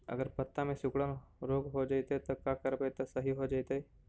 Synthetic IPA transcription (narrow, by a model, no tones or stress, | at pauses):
ɐ̰ɡəɾpɐt̪ːãmẽsʊkɽənɾoːkɦod͡ʒait̪et̪okaːkɐɾpet̪asɐɦiɦod͡ʒaːit̪eː